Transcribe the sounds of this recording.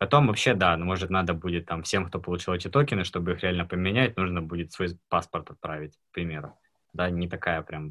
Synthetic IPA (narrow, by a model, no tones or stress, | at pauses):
pɐt̪o̞mvɐpɕːed̪amo̞ʐɨt̪nad̪əbudʲɪt̪ːamfsʲe̞mkt̪o̞pəlˠʊt͡ɕilˠɐtʲɪt̪o̞kʲɪnɨʂt̪o̞bɨixɾʲɪalʲnəpəmʲɪnʲæt̚ʲnuʐnəbudʲɪt̪svo̞jpaspərt̪ɐt̪̚pɾavʲɪt̚ʲk̚pɾʲɪmʲe̞ɾʊ | d̪anʲɪt̪ɐkajəpɾʲam